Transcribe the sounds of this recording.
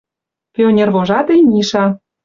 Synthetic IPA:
pʲionʲerβoʒɑt̪ejnʲiʃɑ

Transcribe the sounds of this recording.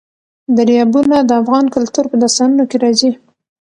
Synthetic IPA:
d̪aɾjɑbunad̪əafɣɑnkʊlt̪uɾpəd̪ast̪ɑnunokeɾɑzi

